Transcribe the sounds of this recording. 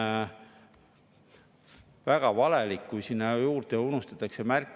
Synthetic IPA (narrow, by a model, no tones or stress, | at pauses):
væɡ̥ɑvɑlelikːujsinːɑjuːrd̪̥eunust̪ɑt̪ːˑɑkse̞mærkːˑ